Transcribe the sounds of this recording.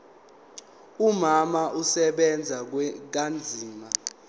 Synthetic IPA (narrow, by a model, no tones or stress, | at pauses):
umamausɛɓɛnd͡zʱak̬and͡zʱiːma